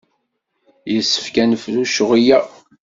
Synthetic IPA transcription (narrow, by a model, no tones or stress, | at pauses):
jəsːə̥fkænəfluʃəʁijæ